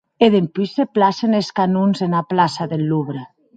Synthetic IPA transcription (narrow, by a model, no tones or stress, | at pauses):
eðempyseplaseneskanunzenaplasaðelːuβɾe